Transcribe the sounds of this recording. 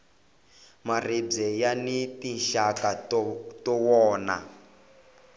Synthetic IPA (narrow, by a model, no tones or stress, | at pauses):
marib͡ʐɛjanitinʃakatɔwɔːna̰